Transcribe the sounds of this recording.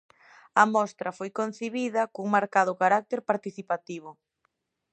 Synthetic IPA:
ɐmɔst̪ɾɐfojkon̟θiβiðɐkuŋmaɾkaðʊkaɾak̚t̪eɾpaɾt̪iθipat̪iβʊ

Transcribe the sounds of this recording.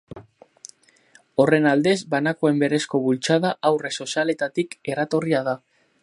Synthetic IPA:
o̞re̞nald̪e̞zbanakoe̞mbe̞ɾe̞sko̞βult͡ʃaðaʔawre̞so̞siale̞t̪at̪ike̞rat̪o̞riaða

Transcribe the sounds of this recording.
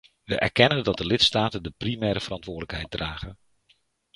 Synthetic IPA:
ʋəʔɛ̰ɹkɛnəndɑdəlɪtstaːtəndəprimɛːɾəv̥ərɑntʋʊːɹdələkɦɛ̰jt̚draːχən

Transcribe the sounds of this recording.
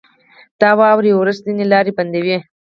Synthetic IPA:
d̪̥ɑːwɑwɾiwɾəzd̪inelɑːɾibɐnd̪ewe

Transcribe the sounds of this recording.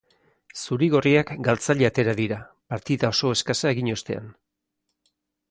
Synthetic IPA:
suɾiɣo̞riakɡalt͡saʎeat̪e̞ɾaðiɾa | paɾt̪iðao̞so̞e̞skasae̞ɣiɲo̞st̪e̞̰a̰n

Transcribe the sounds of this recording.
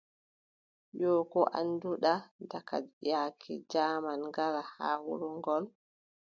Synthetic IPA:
jɔːkɔʔa̰nduɗadaka̰jaːkʰɛ̰d͡ʒaːmanŋɡaɾaha̰wuɾuŋɡɔl

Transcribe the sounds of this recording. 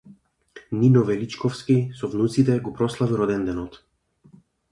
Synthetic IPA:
ninɔvɛlit͡ʃkɔfskisɔvnut̪sit̪ɛɡɔpɾɔslˠaviɾɔd̪ɛnd̪ɛnɔt̪

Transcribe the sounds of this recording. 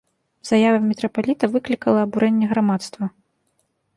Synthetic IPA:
z̥ajavɐmʲɛt̪ɾɐpalʲit̪ɐvɨklʲikɐlˠɐːbuɾɛnʲːɛɣɾamat̪st̪vɐ

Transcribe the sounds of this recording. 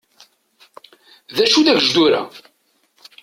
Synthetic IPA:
ðæʃuðævʒd̪uɾa̰

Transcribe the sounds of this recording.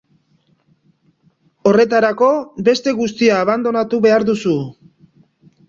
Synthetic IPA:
o̞re̞t̪aɾako̞be̞st̪e̞ɣust̪iaːβand̪o̞nat̪uβe̞aɾðusu

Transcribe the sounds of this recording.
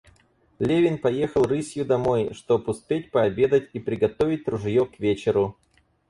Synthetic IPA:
lʲevʲɪnpɐjexəlˠrɨsʲjʊd̪ɐmo̞jʂt̪opʊspʲet̚ʲpəɐbʲe̞d̪ətʲipɾʲɪɡɐt̪ovʲɪt̚ʲt̪ɾʊʐjokvʲet͡ɕɪɾʊ

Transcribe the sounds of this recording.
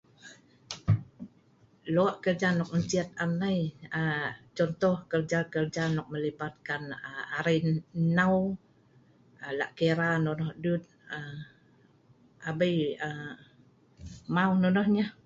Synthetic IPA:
loaʔkərd͡ʒanɔk̚əɲt͡ʃiət̪̚anajət͡ʃɔnt̪ɔhkərd͡ʒakərd͡ʒanɔk̚məlibat̪̚kanəaɾəjnaw | əlaʔkeɾanɔnɔhdut̪̚ə | ʔabəjə | mawnɔnɔhɲəh

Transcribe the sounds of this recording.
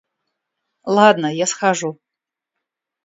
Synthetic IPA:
lˠad̪nɐjasχaʐu

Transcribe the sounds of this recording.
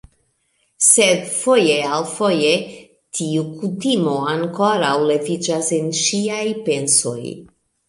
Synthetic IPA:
sedfo̞je̞alfoje | tʰiukʰutimo̞aŋkoɾawle̞vid͡ʒasenʃiajpe̞nso̞̰j

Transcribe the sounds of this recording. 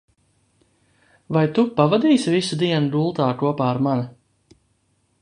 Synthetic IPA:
vajt̪upavad̪iːsvisud̪iɛnud̪ulˠt̪aːkuɔpaːɾmana

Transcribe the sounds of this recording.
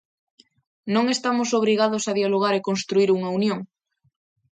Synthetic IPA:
nõŋest̪amosoβ̞ɾiɣ̞aðosaðjaloɣ̞aɾekonst̪ɾuiɾuŋaunjõŋ

